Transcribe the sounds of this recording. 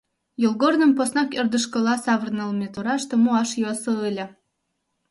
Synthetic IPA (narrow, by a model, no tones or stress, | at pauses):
jolˠɡornə̆mposnɑkərd̪əʃkə̆lɑsɑβərnəlˠmʲet̪oɾɑʃt̪ə̆muɑʃjosɤɯlʲə̆